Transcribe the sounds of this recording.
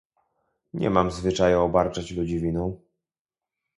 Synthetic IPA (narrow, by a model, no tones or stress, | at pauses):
ɲɛ̰mamzvɘt͡ʂajuɔbaɾt͡ʂat͡ɕlud͡ʑivʲinɔ̃w̃